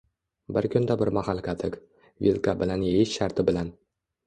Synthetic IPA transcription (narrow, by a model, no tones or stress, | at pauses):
bɪɾkʲʰɵnd̪abɪɾmahalˠkʰʲat̪ʰɪk | vʲilˠkabɪlanjejɪʃʃaɾt̪ʰɪbɪlan